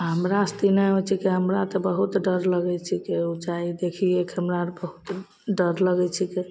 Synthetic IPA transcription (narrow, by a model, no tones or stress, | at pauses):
ɦəmɾast̪inəot͡ʃʰikeɦəmɾat̪ɔbəɦut̪ɖəɾləɡɛt͡ʃʰikeot͡ʃaid̪ekʰiekɦəmɾabəɦut̪ | ɖəɾləɡɛt͡ʃʰike